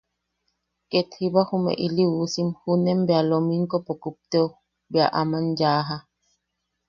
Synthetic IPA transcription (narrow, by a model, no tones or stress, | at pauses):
ket̪hibahumḛʔiliusimhunembealomiŋkopokup̚t̪eo | bjaʔamand͡ʒaːɦa